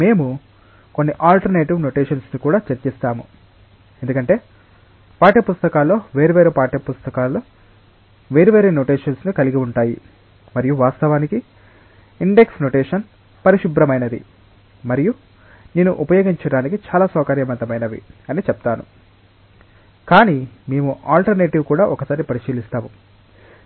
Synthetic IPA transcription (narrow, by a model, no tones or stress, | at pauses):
me̞ːmu | ko̞nːiʔaːlʈɐɾneːʈiʋno̞ʈeːʃɐnsnikuːɽaːt͡ʃɐɾt͡ʃist̪aːmu | e̞nd̪ukɐɳʈe̞ː | paːʈepust̪ɐkaːlːo̞ːʋe̞ːɾuʋeːɾepaːʈepust̪ɐkaːlːoː | ʋe̞ːɾuʋe̞ːɾeːno̞ʈiːʃɐnsnikɐliɡiuɳʈaːji | mɐɾijuʋaːst̪ɐʋaːniki | iɳɖe̞ksno̞ːʈeːʃɐn | pɐɾiʃibɾɐmɐjnɐd̪ḭ | mɐɾiju | neːnuʔupɐjo̞ːɡiɲt͡ʃɐɽaːnikit͡ʃaːlaːsɔːkɐɾjɐmɐnt̪ɐmɐjnɐʋḭɐniːt͡ʃɛpɐt̪aːnu | kaːniːme̞ːmuʔaːlʈɐɾneːʈiʋkuːɽaːʔɔkɐsaːɾipɐɾiʃiːlist̪aːmu